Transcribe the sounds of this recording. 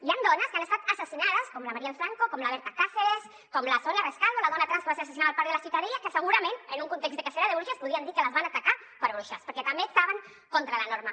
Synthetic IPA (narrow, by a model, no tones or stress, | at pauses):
iand̪ɔnɐskanest̪at̪asasinaðəskomlamaɾiɛlfɾaŋkokomlaβɛɾt̪akafees | komlasonjareskalðolaðɔnat̪ɾanskəβaseɾas̬as̬inaðapaɾðelasit̪aɾeʎakəsəɣuɾamenənuŋkunt̪ekszd̪ekaseɾaðeβɾuʃaspuðiand̪iɾkəlazβanat̪aka | pəɾβɾuʃaspəɾkɛt̪ambeːk̚t̪aβəŋ | kont̪ɾalanoɾma